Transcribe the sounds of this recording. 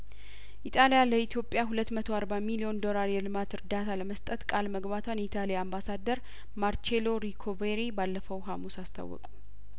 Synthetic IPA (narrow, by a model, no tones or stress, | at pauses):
ʔit̪ʼalijaləit̪ʰjo̞pʼjaɦulət̪ːmət̪ʰoaɾbamilijo̞nd̪o̞laɾjɛlɨmat̪ɨɾd̪at̪ʰaləməst̪ʼət̪kʼalməɡbat̪ʰwanjɛit̪ʰʼalijaambasad̪ːəɾ | maɾt͡ʃelo̞ɾikʰoveɾibalːəfəwɦamusast̪ʰa̰wːɔ̰kʼu̥